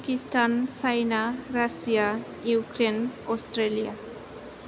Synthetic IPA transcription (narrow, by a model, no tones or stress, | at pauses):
kistansajnaɾasija | jukɾenɔstɾelija